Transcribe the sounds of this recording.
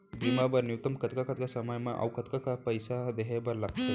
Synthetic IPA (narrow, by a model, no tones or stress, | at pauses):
b̪imabəɾnjut̪əmkət̪kakət̪̚kasəməjmaʔa̰wkət̪kakapəjsad̪eɦebəɾlaɡt̪o